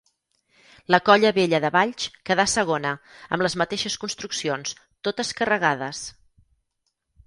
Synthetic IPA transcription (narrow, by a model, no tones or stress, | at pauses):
ləkɔʎəβeʎəðəβaʎt͡ʃkəðasəɣ̞onəə̰mləzmət̪eʃəskunst̪ɾuksions | t̪ot̪əskərəɣaðəs